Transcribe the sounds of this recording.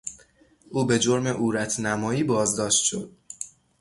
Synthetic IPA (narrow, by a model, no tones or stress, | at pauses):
ʔuːbe̞d͡ʒo̞ɾmeʔuːɾæt̪ʰnæmɒːiːbɒːzd̪ɒːʃt̪ʃo̞̰d̪̥̚